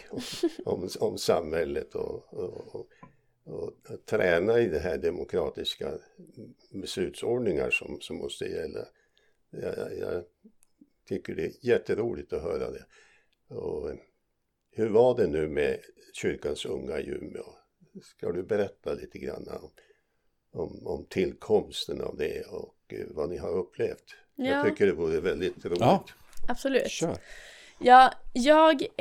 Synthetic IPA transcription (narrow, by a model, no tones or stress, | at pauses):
ɔmɔmsamhɛlːət̪ʰɔ̰ | ɔt̪ʰɾɛːnaɪd̪ɛɦæːɖɛmʊkʰɾɑːt̪ɪska | bɛslʉ̟ːt̪sɔːɖnɪŋaʂɔmsɔmːɔst̪əjɛlːa̰ | jjɑ̰ | t̪ʰʏkːəɖɛjɛt̪ːəɾuːlɪɡ̚t̪ɔɦœːɾa̰d̪ɛ | ɔ | hʉɾvaɖɛnʉ̟ːmɛɕʏɾkansɵ̰ŋːajʉ̰mːɔ | skad̪ɵbɛɾɛt̪ːaliːt̪ʰəɡɾa̰nːaɔm | ɔmɔmt̪ʰɪlkʰɔmst̪əna̰vd̪ɛɔkvanɪɦaɾɵpʰːleːft̪ | at̪ʰʏkːəɖɛvuːɾəvɛld̪ɪt̪ɾuːɪɡ̚t̪ | ab̥sɔlʉː | jɑːjɑːɡ